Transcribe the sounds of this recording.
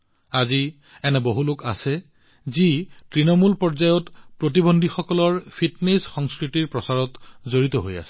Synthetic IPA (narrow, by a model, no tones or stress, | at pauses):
azi | ɛnɛboɦuloka̰sɛ | zitɹinɔmulpɔɹzajɔtpɹot̬ibondʱixɔkɔlɔɹpʰitnesxɔŋskɹitiɹpɹɔsaɹɔtzoɹit̪ɔɦo̰ja̰sɛ̥